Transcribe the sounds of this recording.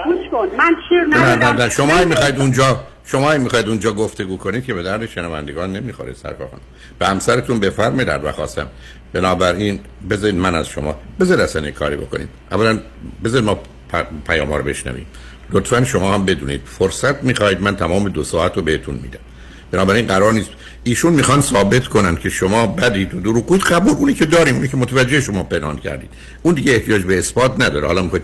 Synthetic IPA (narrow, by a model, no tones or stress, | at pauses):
ɡuʃkonænʃinnænænæʃomɒːimixɒːjid̪und͡ʒɒː | ʃomɒːimːixɒːjid̪und͡ʒɒːɡoft̪e̞ɡuːkʰo̞niːd̪̚cʰe̞be̞d̪æɾd̪eʃenævæ̰nd̪eɡɒːnːemiːxoɾḛd̪sæ̰ɾfæ̰xo̰n | b̥ehæmsæɾet̪unbe̞fæɾmɒjd̪æ̰nd̪væ̰xɒːst̪æ̰m | b̥enɒːbæɾiːn | be̞zɒːɾiːd̪mænæz̥ʃo̞̰mɒ̰ːbezɒɾid̪æsænekʰɒ̰ːɾibo̞̰ko̞̰nḭːmʔævːælæn | bezɒɾid̪mɒː | pʰpʰæjɒ̰ːmhɒːɾobe̞̰ʃnæ̰vḭːm | lot̪fænʃo̞mɒːhæmbe̞d̪ṵːnḭːd̪̥foɾsæt̪ʰmiːxɒːiːd̪mænt̪ʰæmɒːmed̪osɒːæt̪ɾobeet̪ʰunmḭːd̪æm | b̥e̞nɒːbæɾiːnɢæɾɒːɾniːst̪ | iːʃunmiːxɒnsɒːbe̞t̪kʰo̞nænd̪cʰe̞ʃomɒːbæd̪iːd̪od̪oɾuːɡ̚ɡuːid̪ɡæbuːluːniːcʰe̞d̪ɒːɾiːmuːniːcʰemot̪ʰævæd͡ʒːeheʃo̞mɒːpe̞nhɑ̰ːncʰæ̰ɾd̪iːd̪ | und̪iːɡɟeeht̪ʰijɒːd͡ʒbeːsbɒːt̪ʰnæd̪ɒːɾeɒːlɒːmixoi